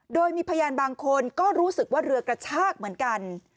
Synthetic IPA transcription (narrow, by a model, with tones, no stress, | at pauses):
doː˧jmiː˧pʰaː˧jaː˧nbaː˧ŋkʰo˧nkɔː˥˩ɾuː˦˥sɯ˨˩k̚waː˥˩ɾɯ˧ɐkɾa˧t͡ɕʰaː˥˩k̚mɯ˩˦ənka˧n